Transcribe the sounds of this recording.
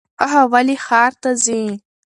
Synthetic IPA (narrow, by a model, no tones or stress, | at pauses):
aɦawaliχaːrtʰazin